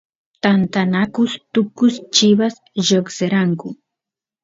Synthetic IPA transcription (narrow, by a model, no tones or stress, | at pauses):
t̪ant̪anakʊst̪ʊkʊst͡ʃɪβas | ʒokseɾaŋkʊ